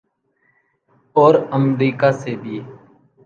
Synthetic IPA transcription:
oːɾəmɾiːkaːseːbʱiː

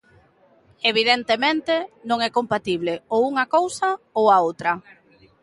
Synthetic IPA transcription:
eβ̞iðent̪emẽnt̪enõŋɛkompat̪iβleouŋɐkowsɐowaowt̪ɾɐ

